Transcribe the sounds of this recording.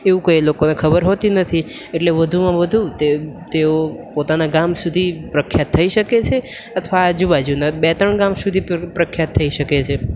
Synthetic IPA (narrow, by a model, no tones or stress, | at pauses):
eʋũkəjlokonekʰəbəɾɦot̪inət̪ʰi | eʈleʋəd̪ʱumãʋəd̪ʱut̪et̪eopot̪anaɡamsud̪ʱipɾəkʰːjat̪ʰːəiʃəket͡ʃʰe | ət̪ʰʋaːd͡ʒubad͡ʒunabɛt̪əɳɡamsud̪ʱipɾəkʰːjat̪ʰːəiʃəket͡ʃʰe